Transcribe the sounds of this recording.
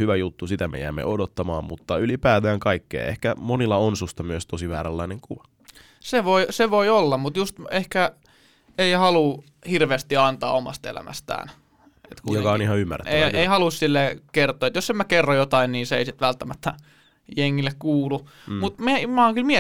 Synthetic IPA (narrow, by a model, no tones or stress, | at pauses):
hyʋæjut̪ːusit̪æmḛjæ̰ːmːḛodot̪ːɑmɑːmmut̪ːɑylipæːt̪æːŋkɑikːḛːehkæmonilːɑonsust̪ɑmyøst̪osiʋæ̰ːɾælːɑineŋkuʋɑ | seʋoiseʋoiolːɑmmut̪just̪ehkæ | eihɑlu | hirʋeːst̪iɑnt̪ɑ̰ːomɑ̰st̪ḛlæ̰mæ̰st̪æ̰ːn | et̪kujokɑonihɑymːæ̰rˑet̪ːeeihɑlussilːeːkert̪oːet̪josemækerːojot̪ɑinniːnseḛisit̪ʋælt̪ːæmæt̪ːæ | jeŋːilːekkuːlu | mut̪mimɑːŋkylmie